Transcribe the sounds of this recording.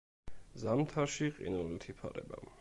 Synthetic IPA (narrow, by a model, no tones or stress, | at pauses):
zamt̪ʰaɾʃiqʼḭnɛlit̪ʰipʰaɾɛ̰ba̰